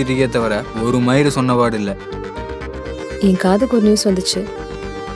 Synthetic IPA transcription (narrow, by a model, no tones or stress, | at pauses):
ɪɾɪɣɐt̪ːɐʋɐɾɐɔɾɯmɐjɪɾɯsɔnːɐʋaːɽɪlːɐ | iːŋkaːðɯkɔɾnuːsʋɐnd̪ɯt͡ʃːɯ